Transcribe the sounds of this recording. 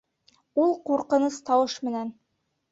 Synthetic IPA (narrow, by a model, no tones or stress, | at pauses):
ulˠquɾqɤ̆nɤst̪ɑwɤʃmɘ̆næn